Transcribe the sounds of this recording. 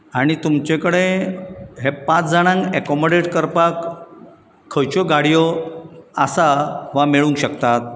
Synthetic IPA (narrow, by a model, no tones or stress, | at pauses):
aɽ̃it̪umt͡ɕekəɽe | ɦepãt͡sd͡zaɽ̃ãŋɡɛkɔmoɖeʈkəɾpakʰː | ət͡ɕɔɡaɽijɔ | əsaʋameɭũŋkɕəkt̪at̪̚